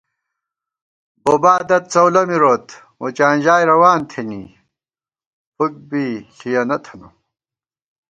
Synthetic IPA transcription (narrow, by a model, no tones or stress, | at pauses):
boːbaːd̪ɐt̪̚t͡sɐwlɐmiɾot̪ | mot͡ɕaːnʑaːjɾɐwaːnt̪ʰenḭ | puk̚biɬijɐnɐt̪ʰɐnu